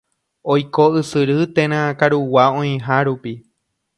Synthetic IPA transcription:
ojkoɨsɨɾɨt̪ẽɾ̃ãkaɾuwaõĩɦaɾupi

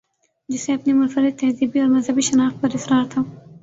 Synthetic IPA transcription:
d͡ʒʊseapnimʊnfaɾɪd̪̚t̪ːahd̪ibiaɾmazhabiʃanɑxpəɾɪsɾɑːɾt̪ʰaw

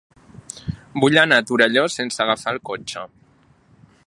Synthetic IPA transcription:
buʎanat̪uɾəʎosensəɣafalˠkot͡ʃə

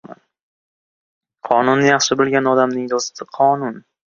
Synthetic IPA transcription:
a̰n | qʰɒnʊnjɑχʃɪbolˠɡʲanɒd̪amnɪŋd̪ɒzɪt̪ɪqʰɒnʊn

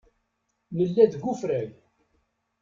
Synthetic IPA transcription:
nəlːæðɡufɾæʝ

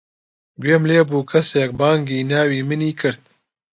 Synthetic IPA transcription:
ɡweːmleːbuːkʰɐseːk̚baːŋɡiːnaːwiːmɨniːkʰɨɾt̪̚

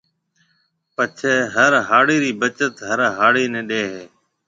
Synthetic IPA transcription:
pət͡ʃʰeːɦəɾɦaːɽiːɾiːbət͡ʃət̪ɦəɾɦaːɽiːnẽːɗeːɦeː

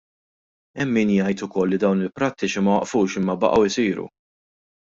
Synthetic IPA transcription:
ɛmːiːnjɐjt̪ʊkɔlːid̪ɐwnɪlpɾɐt̪ːɪt͡ʃimɐwɐʔfuːʃɪmːɐbɐ̰ʔɐwɪsiːɾṵ

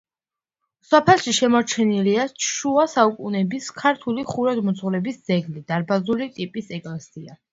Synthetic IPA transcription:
sapʰɛlˠʃiʃɛmɔɾt͡ʃʰɛniliat͡ʃʰʃuasaukʼunɛbiskʰaɾt̪ʰuliχuɾad̪mɔt̪sʰʼχlɛbisd̪z̥ɛɡlid̪̥aɾbazulit̪ʼipʼisɛkʼlɛsia

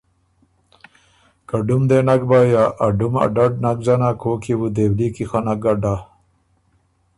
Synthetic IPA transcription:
kɐɖumd̪enɐɡ̚baːjaʔɐɖumɐ̰ɖɐɖ̚nɐɡ̚d͡ʑɐnakʰoːkʰiwud̪eːwliːkixanɐɡɐɖa

